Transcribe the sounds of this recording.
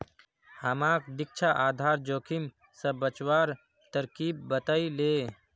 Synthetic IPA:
həmãkd̪ɪk̚t͡ʃʰaʔaːd̪ʱaːɾd͡ʒoːkʰim | səbət͡ʃwaːɾ | t̪əɾkibːət̪əile

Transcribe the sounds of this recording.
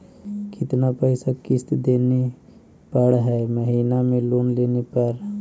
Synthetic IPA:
kɪt̪napəɪsakɪst̪d̪ene | pəɽɦɛməɦiːnamẽloːnleːnepəɾ

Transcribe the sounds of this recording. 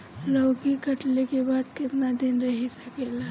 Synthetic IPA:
lɔːɡikɐʈlekebaːd̪kɪt̪nad̪ɪnɾɐɦisɐkeːla

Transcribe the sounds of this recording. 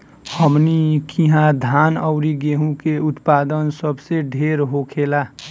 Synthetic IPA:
həmnikʰiɦãd̪ʱanəʊɾiɡeɦũkeʊt̪paːd̪ənsəbseɖʱeɾɦokʰela

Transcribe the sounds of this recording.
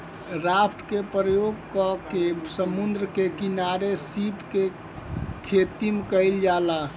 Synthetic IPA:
ɾapʈkepɾəjoɡkɔkesəmund̪ɾəkekinaɾesipke | kʰet̪imekəɪld͡ʒala

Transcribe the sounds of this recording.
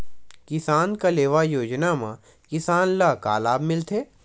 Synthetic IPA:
kɪsaːnkaleːʋajoːd͡ʒnamã | kɪsaːnlaka̰ːlaːbmɪlt̪ʰeː

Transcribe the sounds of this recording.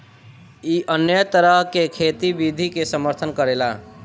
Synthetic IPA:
iʔənjət̪əɾəɦkekʰet̪ibid̪ʱikesəməɾt̪ʰənkəɾela

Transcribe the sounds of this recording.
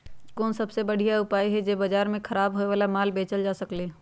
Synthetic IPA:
kɔːnsɐbsebɐɽ̤ijaʊpaːjɦɛd͡ʒebɐd͡ʒaːɾmẽkʰɐɾaːbɦoːeʋaːlamaːlbeːt͡ʃəld͡ʒaːsɐkleː

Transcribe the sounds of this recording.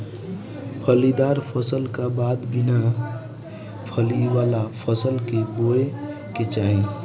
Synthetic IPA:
pʰəlid̪aːɾpʰəsəlkabaːd̪bɪna | pʰəliʋaːlapʰəsəlkeboe | ket͡ʃaːẽ

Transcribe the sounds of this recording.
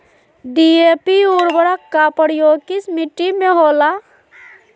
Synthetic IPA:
ɖiepiuɾbəɾakːapəɾjokismiʈːimeɦola

